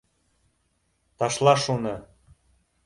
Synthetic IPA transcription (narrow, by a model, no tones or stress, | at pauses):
t̪ɑʃlˠɑʃunɤ̆